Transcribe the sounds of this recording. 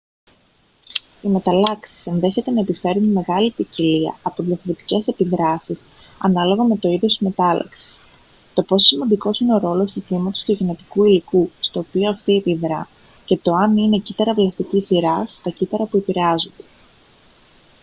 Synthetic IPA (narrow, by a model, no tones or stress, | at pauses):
ime̞t̪ɐlɐksi̥se̞nðe̞çet̪e̞nɐepife̞ɾunme̞ɣɐlipiciliɐ̰ɐpoðjɐfoɾot̪i̥ce̞se̞piðɾɐsis | ɐnɐlo̞ɣɐme̞t̪o̞iðjost̪izme̞t̪ɐlɐ̰ksi̥s | t̪o̞po̞ssimɐnd̪iko̞sine̞o̞ɾo̞lo̞st̪ukimɐt̪o̞st̪uʝine̞t̪i̥kuilikust̪o̞ːpio̞ɐft̪iepiðɾɐ | ce̞t̪o̞ɐnine̞cit̪ɐɾɐvlɐst̪icisiɾɐst̪ɐcit̪ɐɾɐpue̞piɾeɐzond̪̥e̞̥